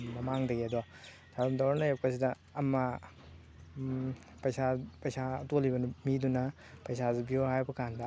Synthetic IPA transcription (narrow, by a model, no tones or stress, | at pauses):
mɐmaŋdɐɡiɐdɔ | daɾumdawɾanajep̚kɐs̬idɐː | mːɐ | pɐjsapɐjsatolibɐnumidunɐ | pɐjsazubiohajbɐkandɐ